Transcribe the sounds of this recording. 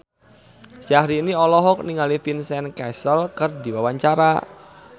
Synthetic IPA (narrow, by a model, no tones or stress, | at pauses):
ʃahɾiːniɔlɔɦɔk̚niŋalifinsɛnkɛsəlkərdiwawaɲt͡ʃaɾa